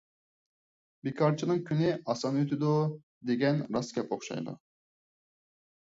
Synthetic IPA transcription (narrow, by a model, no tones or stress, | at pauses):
bikʰɑɾt͡ʃʰinɨŋkʲʰynɪɑsɑnøt̪ʰɪd̪u | d̪eɡʲɛnɾɑskʲɛpoχʃɑ̰jd̪ṵ